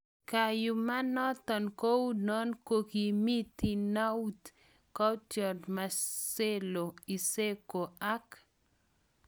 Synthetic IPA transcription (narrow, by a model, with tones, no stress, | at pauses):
ka˨jʊ˨ma˦nɔ˦t̪ɔ˨nko˦wnɔ˦nko˦ki˨mi˦t̪i˨na˦u˦t̪ | ka˦t͡ʃjɔ˨dma˨se˦lo˨i˨se˦ko˨a˦k